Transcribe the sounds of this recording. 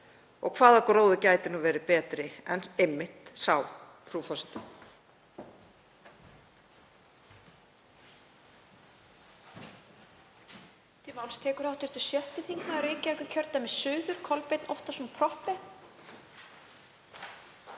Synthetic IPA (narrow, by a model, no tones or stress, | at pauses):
ɔ̰ɣkʰvaːðaɔkɾoːwðʏcaːjt̪ɪnuːvɛːɾɪpɛːt̪ɾɪɛnejmːɪht̪sawpʰɾuːfɔst̪ɪ | t̪ʰimawlst̪ʰɛːkʏɾawht̪ɪɾ̥t̪ʏ̥sjœht̪ɪθiŋknaaɾeːjcajkʏcʰœɾt̪amɛðsʏːðʏɾ̥kʰɔlpɪt̪nɔwht̪asɔmpʰɾɔhpɪ